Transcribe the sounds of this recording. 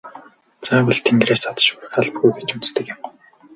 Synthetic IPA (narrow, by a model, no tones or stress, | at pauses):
t͡saːpʊɮt̪ʰeŋɡ̪reːsat̪ʃʊɾə̆xaɮpɡujɡet͡ɕut͡st̪ɘ̆kjɪ̆m